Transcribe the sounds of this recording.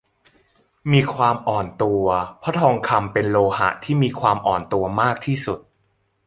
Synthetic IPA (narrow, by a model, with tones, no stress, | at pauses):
miː˧kʰwaː˧mʔɔː˨˩nt̪u˧ɐpʰɔ˦˥t̪ʰɔː˧ŋkʰa˧mpe˧nloː˧ha̰˨˩ʔt̪ʰiː˥˩miː˧kʰwaː˧mʔɔː˨˩nt̪u˧ɐmaː˥˩k̚t̪ʰiː˥˩su˨˩t̪̚